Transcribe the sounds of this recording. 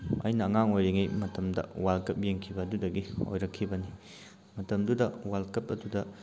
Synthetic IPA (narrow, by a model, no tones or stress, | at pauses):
ɐ̰jnɐːŋaŋojɾeŋijmɐtɐmdɐ̰walkɐp̚jeŋkʰibɐːdudɐɡio̰jɾɐkʰːibɐni | mɐtɐmdudɐwalkɐpɐdudɐ